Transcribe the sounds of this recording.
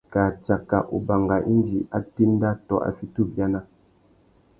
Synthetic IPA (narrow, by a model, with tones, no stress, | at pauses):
ka˨t͡ʃa˨kːa̰˨ʔu˨ba˨ŋɡa˨ʔi˦n˦d͡ʒi˨ʔa˦ti˦n˦da˦tɔ˨ʔa̰˨fi˦tu˦˨p̚bja˦na˦